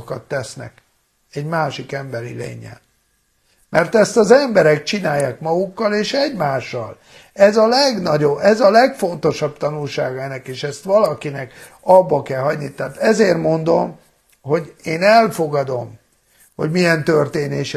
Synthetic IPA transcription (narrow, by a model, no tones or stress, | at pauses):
kɒt̪ːɛsnɛ̰k | ɛɟmaːʃikɛmbɛɾḭlḛːɲɛ̰n | mʔɛrt̪ɛst̪ɒzɛmbɛɾɛk̚t͡ʃinaːjːaːkmɒɡukːɒleːʃɛɟmaːʃːɒ̰l | ɛzɒlɛɡnɒɟo̞bɛzɒlɛkfo̞nt̪o̞ʃɒbt̪ɒnulʃaːɡɒɛnɛkeːʃɛst̪ʋɒlɒkinɛk | ɒbːɒkɛlɦɒɟnit̪ɛːt̪ɛzeːrmo̞nd̪o̞m | ho̞ɟeːnɛlfo̞ɡɒd̪o̞m | ho̞̰ɟmijɛnt̪ørt̪eːneːʃ